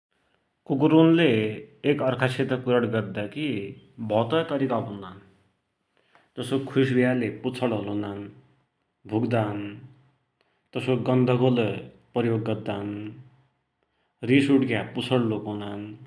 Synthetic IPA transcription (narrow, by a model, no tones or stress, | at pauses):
kukuɾunleːkʌrkʰaset̪ʌkuɾʌɽɡʌrd̪akibʱʌt̪ʌjt̪ʌɾikabʱunːan | d͡zʌsokʰus̬bʱijaleput͡sʰʌɽɦʌlunan | bʱuɡd̪aɦn | t̪ʌsoɡʌnd̪ʱʌɡole | pʌjoɡːʌrd̪aɦn | risuɽkjaput͡sʰʌɽlokonan